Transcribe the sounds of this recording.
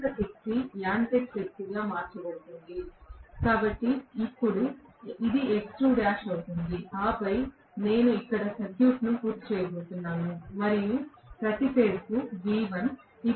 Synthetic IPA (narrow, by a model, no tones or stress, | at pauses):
t̪ɐʔekʈːilaːɳʈeʈ̚pet̪ːuɡaːmaːɾt͡ʃɐboːt̪und̪ikaːbɐʈːiːpːuɽuid̪ieksʈuːɖaːʃɐwt̪und̪iaːpɐj | ne̞ːnuikːɐɽɐsɐkjuːʈnupuːɾt̪ːt͡ʃɛːjɐboːt̪unːaːnumɐɾijupɾɐt̪iseːɽukud͡ʒiːʋɐn | i